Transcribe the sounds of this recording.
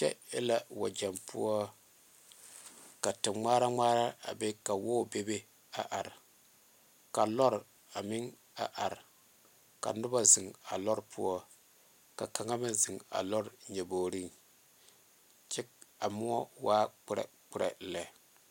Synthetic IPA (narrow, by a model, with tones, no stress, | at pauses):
t͡ʃɛ̰˦ɪ˦la˦wa̰˨d͡ʒɛ˨mpu˦ɔ˦ | ka˨tɪ˨mŋ͡maː˦ɾa˦ŋaː˦ɾa˦a̰˨be˦ka˨wo˦˨be˦be˦ | a˨ʔa˨ɾ | ka˨lɔ˦ɾ | a˨mɪ˦ŋ | a̰˨ʔa˨ɾ | ka̰˨nʊ˦ba˦zɪ˨ŋa̰˨lɔ˦ɾpʰṵ˦ɔ˦ | ka˨ka˨ŋa˦mɪ˦zɪ˨ŋa̰˨lɔ˦ɾɲɛ˨boː˨ɾi˦ŋ | t͡ʃɛ˦k̚a˨mu˦ɔ˦waː˦k͡pɪ˦ɾɛ̰˨k͡pɪ˦ɾɛ̰˨lɛ˨